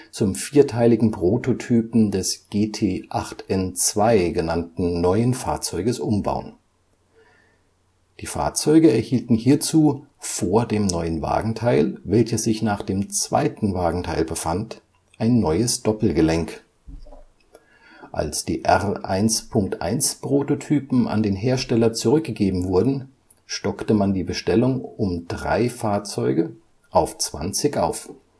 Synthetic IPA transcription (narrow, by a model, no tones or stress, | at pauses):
t͡sʊmfiːɐtʰaɪlɪɡŋ̩pʁ̥oːtʰotʰyːpm̩dɛsɡ̥eːtʰeːʔaχtʔɛnt͡sv̥aɪɡənantn̩nɔʏənfa̰ːɐt͡sɔʏɡəsʔʊmba̰ʊən | d̥iːfa̰ːɐt͡sɔʏɡəɛɐhiːltn̩hiːɐt͡suːfoːɐdeːmnɔʏənva̰ːɡŋ̩tʰaɪlvɛlçəsz̥ɪçnaːχd̥eːmt͡sv̥a̰ɪtn̩vaːɡŋ̩tʰaɪlbəfant | ʔaɪnːɔʏəsd̥ɔpl̩ɡəlɛŋk | ʔa̰lsd̥ḭːʔɛʁʔa̰ɪnspʰʊŋk̚tʔa̰ɪnspʁ̥ototʰyːpm̩ʔa̰ndeːnɦeːɐʃtɛlɐt͡suʁʏk̚ɡ̥əɡeːbm̩vʊɐdn̩ | ʃtɔktəmandiːbəʃtɛlʊŋʊmd̥ʁa̰ɪfaːɐt͡sɔʏɡə | ʔaʊft͡sv̥a̰nt͡sɪçʔa̰ʊf